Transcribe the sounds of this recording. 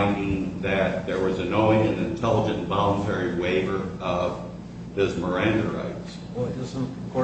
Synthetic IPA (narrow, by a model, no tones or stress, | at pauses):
ɪ̃ndɪ̃ŋðɨt̪̚ðə˞wʌzɨnɔ̃ɪɪ̃nɨ̃nɨ̃ntʰɛlˠəd͡ʒɨ̃ntvɑlˠə̃ntʰɛɹiweɪvə˞ʌv | ðɪzmə˞æ̃ndəɹa̰ɪts